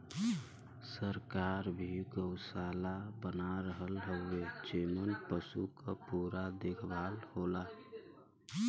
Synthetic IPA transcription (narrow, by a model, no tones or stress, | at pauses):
səɾkaːɾbʱiɡəʊsalabənaɾəɦəlɦəʊed͡ʒeːmənpəsukapuːɾad̪ekʰbʱaːlhola